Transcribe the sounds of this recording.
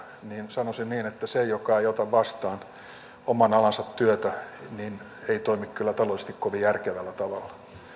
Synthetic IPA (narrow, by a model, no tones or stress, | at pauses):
niːnsɑnosinniːnet̪ːæsejokɑeiot̪ɑʋʋɑst̪ɑːn | omɑnɑlɑnsɑt̪tyøt̪ænin | eit̪oimikkylːæt̪ɑlolises̆t̪ikkoʋijjærkeʋælːæt̪ɑʋɑlːɑ̥